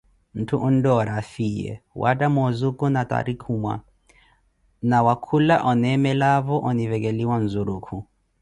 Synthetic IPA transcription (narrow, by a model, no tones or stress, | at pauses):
m̩tʰuʔun̩dɔɾafijɛ̰wʔatamɔzukunata̰ɾikʰumwa̰ | nawakʰulaʔɔnɛmɛlaβɔʔɔnivɛk̬ɛliwan̩zuɾukʰu